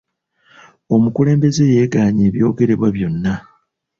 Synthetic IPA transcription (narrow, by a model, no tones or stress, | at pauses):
o̞mukule̞ːmbe̞ze̞je̞ːɡaːɲeːβjo̞ːɡe̞ɾe̞βwaβjo̞nːa